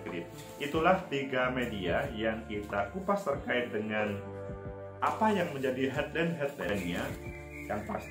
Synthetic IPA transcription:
kdḭt̪̚ | ʔit̪ulaht̪iɡamediajaŋkit̪akupast̪ərkaɪt̪̚dəŋan | ʔapajaŋməɲd͡ʒadiɦɛt̪̚lɛnɦɛt̪̚lɛnɲa | jaŋpas

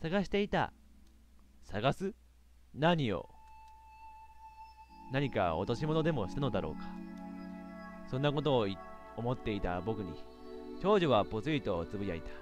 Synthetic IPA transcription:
saɡaɕi̥t̪e̞it̪a̰ | saɡasɨ | naɲ̟io̞̰ | naɲ̟ika̰o̰t̪o̞ɕimo̞no̞d̪e̞mo̞ɕi̥t̪anod̪aɾo̞̰ːkḁ | sõ̞nːako̞t̪̬o̞ːi | o̞mo̞t̪ːe̞it̪a̰bo̞kɯ̟ɲ̟ḭ | t͡ɕo̞ːʑoβapo̞t͡sɨit̪o̞ːt͡sɨbɯ̟ja̰it̪ḁ

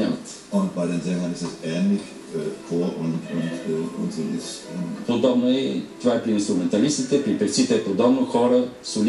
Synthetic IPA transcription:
amət̪ | ʊnt̚baɪd̪enzɛmlɐ̃nɪsɛsɛːnlɪç | əfʰoʔʊntʊntʊnzolɪspod̪ɔbnoɛt̪ovaɛpɾiinst̪ɾumɛnt̪ɐlist̪it̪ɛpɾipɛɾt̪sit̪ɛpod̪ɔbnoxɔɾəsol

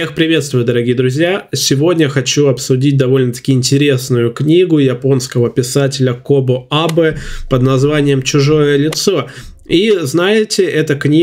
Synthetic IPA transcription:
expɾʲɪvʲe̞t̪st̪vʊjʊd̪əɾɐɡʲijəd̪ɾʊzʲjasʲɪvo̞dʲnʲəxɐt͡ɕuɐpsʊdʲit̚ʲd̪ɐvo̞lʲnət̪ɐ̥kʲɪɪnʲtʲɪɾʲe̞snʊjʊknʲiɡʊjɪpo̞nskəvəpʲɪsatʲɪlʲəkobʊabɨpəd̪nɐzvanʲɪjəmt͡ɕʊʐo̞jəlʲɪt̪so̞ | iznajɪtʲɪɛt̪əknʲi

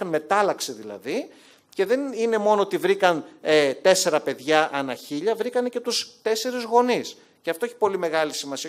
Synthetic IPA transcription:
ɐnme̞t̪ɐlɐksiðilɐ̰ði | ce̞ðe̞nine̞mo̞noot̪ivɾikɐnet̪e̞se̞ɾɐpe̞ðʝɐʔɐnɐçiʎɐvɾikɐne̞ce̞t̪ust̪e̞se̞ɾizɣo̞nis | ceɐft̪o̞eçi̥po̞lime̞ɣɐlisimɐsi

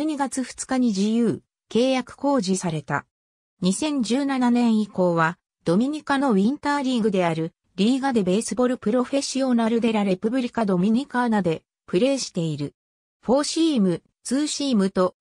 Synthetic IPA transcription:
ɲ̟iɡat͡sɨɸɯ̟̥t͡sɨ̥kaɲ̟id͡ʑijɯ̟ː | ke̞ːjakɯ̟̥ko̞ːʑisaɾe̞t̪a̰ | ɲ̟isẽ̞ɲ̟d͡ʑɨːnananẽ̞ɰ̃iko̞ːβa | d̪̥o̞mʲiɲ̟ikano̞βʲĩnt̪aːɾʲiɡɯ̟d̪e̞aɾɯ̟ | ɾʲiːɡad̪e̞be̞ːsɨbo̞ɾɯ̟pɯ̟ɾo̞ɸe̞ɕio̞naɾɯd̪e̞ɾaɾe̞pɯ̟bɯ̟ɾʲikad̪o̞mʲiɲ̟ikanad̪e̞ | pɯ̟ɾe̞ːɕi̥t̪e̞iɾɯ̟ | ɸo̞ːɕiːmɯ̟ | t͡sɨːɕiːmɯ̟t̪o̞

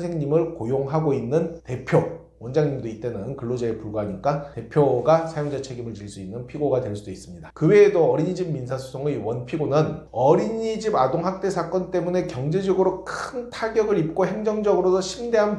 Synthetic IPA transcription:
sʰeŋɲimɯɭkojoŋɦaɡoinːɯnte̞pʰjo | wʌnd͡ʑaŋɲimdoit͈e̞nɯnkɯɭːod͡ʑaepuɭɡaɦaɲik͈ate̞pʰjoɡasʰajoŋd͡ʑat͡ɕʰe̞ɡimɯɭt͡ɕiɭs͈uinːɯnpʰiɡoɡadweɭs͈ud̥ois͈ɯmɲidakɯwe̞ːdoʌɾiɲid͡ʑimminsʰasʰu̥sʰoŋewʌnpʰiɡonɯn | ʌɾiɲid͡ʑibadoŋɦak̚t͈e̞sʰak͈ʌnt͈e̞mune̞kjʌŋd͡ʑe̞d͡ʑʌɡɯɾokʰɯntʰaɡjʌɡɯɾip̚k͈oɦe̞ŋd͡ʑʌŋd͡ʑʌɡɯɾosʰʌɕʰimde̞ɦan

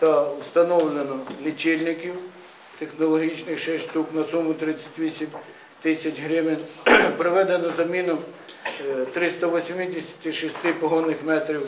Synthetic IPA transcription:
t̪ɐwst̪ɐnɔwlʲenɔnɪt͡ʃɪlʲnɪkʲiw | t̪exnɔlˠɔɦʲit͡ʃnɪxʃɛʃt̪uknɐsumʊt̪ɾɪt͡sʲːɐ̥tʲʋʲisʲim | t̪ɪsʲɐt͡ʃɦɾɪmɪnpɾɔʋɛd̪enɔzɐmʲinɔm | t̪ɾɪst̪ɐʋɔsʲmɪd̪ʲɪsʲɐ̥t̪ɪʃist̪ɪpɔɦɔnːɪxmɛt̪ɾʲiw

